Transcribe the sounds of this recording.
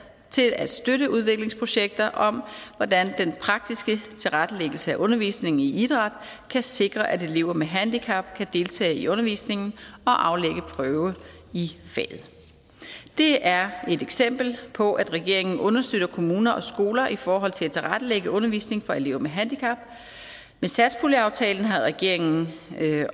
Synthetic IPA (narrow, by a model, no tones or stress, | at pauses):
t͡sʰe̝læd̥sd̥øɾəuð̞ˠʋe̝ɡ̥le̝ŋspʰʁo̝ɕeɡ̥̚d̥ɐʔɒ̽mʋɒd̥ænd̥enpʰʁɑ̈ɡ̥̚d̥isɡ̥ət͡sʰe̝lʁad̥əleɡ̥l̩səæʔɔ̽nɐʋḭːsne̝ŋn̩iid̥ʁɑ̈d̥kʰæse̝ɡ̥ʁɐʔæd̥e̝le̝ʊ̰ɐmeɦænd̥ikʰɑ̈b̥kʰæd̥e̝lt͡sʰɛ̰ːɪiʔɔ̽nɐʋḭːsne̝ŋn̩ɒ̽ʔɑ̈ʊleɡ̥əpʰʁœʊə | ifɛ̰ːð̩ˠ | d̥e̝æɐe̝d̥eɡ̥sem̰b̥l̩pʰɒ̽ʔæd̥ʁɛɡ̥e̝ɐ̰e̝ŋn̩ʔɔ̽nɐsd̥øɾ̥ɐkʰo̝muːnɐʔɒ̽sɡ̥o̝ːlɐʔifɒːɦɒ̽l̰t͡sʰe̝æt͡sʰe̝lʁad̥əleɡ̥əʔɔ̽nɐʋḭːsne̝ŋfɒ̽ele̝ʊmeɦænd̥ikʰɑ̈b̥ | mesæd̥spʰoliɑ̈ʊt͡sʰɛːln̩ɦæðʁɛɡ̥e̝ɐ̰e̝ŋn̩